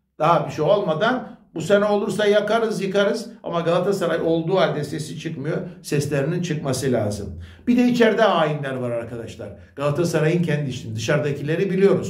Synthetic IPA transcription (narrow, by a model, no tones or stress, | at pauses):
d̪̥aɦabiʃejo̞lˠmad̪anbusenɛo̞lˠuɾsajakaɾɯzjɯkaɾɯza̰maɡalˠat̪ʰasaɾajo̞lˠd̪uːalʲd̪ɛsesit͡ʃʰɯkmɯjo̞sɛslʲeɾinint͡ʃʰɯkmasɯlʲa̰ːzɯ̰mb̥id̪ɛit͡ʃʰɛɾd̪ɛaːjinlʲæɾvaɾaɾkad̪aʃlˠa̰ɾ̥ | ɡ̥alˠat̪ʰasaɾajɯncʰɛnd̪iʃind̪ɯʃaɾd̪acʰilʲe̞ɾibilʲijo̞ɾuz̥